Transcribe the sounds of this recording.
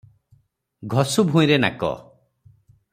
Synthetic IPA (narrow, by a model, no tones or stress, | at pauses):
ɡʱɔsubʱũj̃ɾena̰kɔ̰